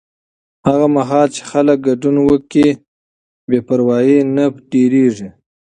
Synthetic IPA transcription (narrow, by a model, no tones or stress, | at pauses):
haɣamaɦɑlt͡ʃe̥xalək̚ɡaɖunwəki | bepaɾwɑjenapʈeɾeʐi